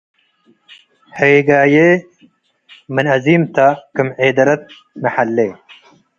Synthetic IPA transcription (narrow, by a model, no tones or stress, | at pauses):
heːɡaːjeː | mɨnɐziːmt̪ɐkɨmʕeːd̪ɐɾɐt̪̚ | mɐħɐlːeː